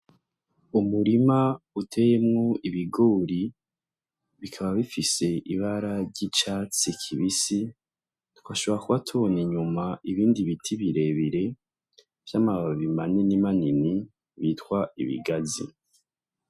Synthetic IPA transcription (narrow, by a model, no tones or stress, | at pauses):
umuɾimautʰe̞jemŋoiβiɡoɾi | βikʰaβaβifise̞ʔiβaɾaɾɟit͡ʃat͡sikʰiβisi | twaʃoβoɾakuβatʰuβo̞niɲumaiβiːndiβitʰiβiɾe̞βiɾe̞ | v̥jaːmaβaβimaɲenimanini | βiːtkwaḭβḭɡazḭ